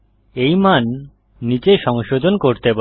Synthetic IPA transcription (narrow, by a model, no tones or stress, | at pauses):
ejmanː | it͡ɕeʃɔŋʃod̪ʱonkoɾt̪epa